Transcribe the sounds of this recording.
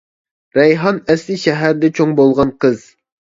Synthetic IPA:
ɾɛjɦɑnɛslɪʃɛɦæɾd̪ɛt͡ʃʰoŋbolˠʁɑnqʰəz̥

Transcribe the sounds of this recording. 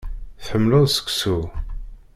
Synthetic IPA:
θħəmːluðsə̥ksu

